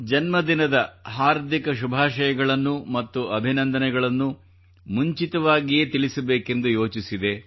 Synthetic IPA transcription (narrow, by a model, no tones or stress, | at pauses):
d͡ʒɐnmɐd̪inɐd̪ɐɦaːɾd̪ʱikɐʃubʱaːʃɐjɐɡɐɭɐnːumɐt̪ːuʔɐbʱinɐnd̪ɐnɛɡɐɭɐnːu | muɲt͡ʃit̪ɐʋaːɡije̞ːt̪ilisɐbeːke̞nd̪ujo̞ːt͡ʃisid̪e̞